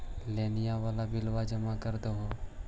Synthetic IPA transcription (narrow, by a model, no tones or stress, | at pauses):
lenijaʋalabɪlʋad͡ʒəmakəɾt̪oɦo